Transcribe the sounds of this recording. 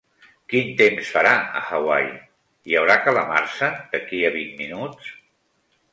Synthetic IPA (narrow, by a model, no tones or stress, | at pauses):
kint̪emsfəɾaə̰xəwa̰j | iəwɾakələma̰ɾsəd̪̥əkiəβinminut͡s